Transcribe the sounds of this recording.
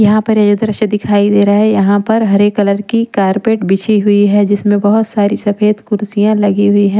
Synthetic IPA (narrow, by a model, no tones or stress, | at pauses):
jɐɦãpɐɾjɐd͡ʒʊd̪ʱɾɐʃəd̪ɪkʰaːid̪eːɾaɦɛjɐɦãpɐɾɦɐɾeːkːɐləɾkikaːɾpeːʈbɪt͡ʃʰiɦʊiɦɛd͡ʒɪsmẽbɐɦʊt̪saːɾisɐfeːd̪kʊɾsijãlɐɡiɦʊiɦɛ̃ː